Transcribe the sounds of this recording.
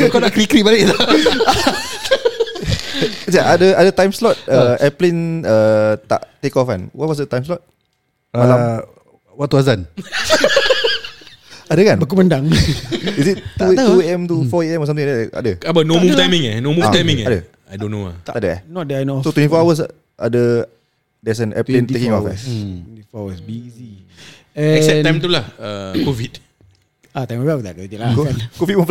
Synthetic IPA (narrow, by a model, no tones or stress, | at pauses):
kɔnakɾikɾiʔbalɪʔt̪o | saʔadəadət̪ãjmslɔt̪̚əɛplenət̪a̰ʔt̪ekɔfa̰nwɔt̚wɔs̬dət̪ãjms̬lɔt̪̚ | alam | wat̚t̪uazan | adəkanbakuməndaŋisitt̪uueɛmt̪ufɔeɛmɔs̬amt̪iŋadɛka̰dəabənomuft̪ajmĩŋɛnomuft̪ajmĩŋadə | adonuat̪adəɛ̰nɔt̚dəanosot̪wɛnifɔawəs̬ | ʔa̰də | dɛs̬ənɛ̰plent̪ekĩŋɔfɛ̰nifɔawəsbizi | ɛɛsɛajmt̪ulahəkovit | at̪ajmabat̪akit̪ilakkankovit̚mɔf